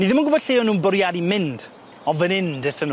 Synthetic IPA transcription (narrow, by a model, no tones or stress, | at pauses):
niðɪmənɡʊbɔd̥ɬeːɔnːuːnbɔɾjadimɪnd̥ | ɔvənɪndɪθənu